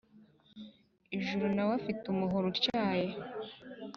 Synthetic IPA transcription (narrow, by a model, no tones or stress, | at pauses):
eʒuɾunawafitumuɦoɾuɾcaːje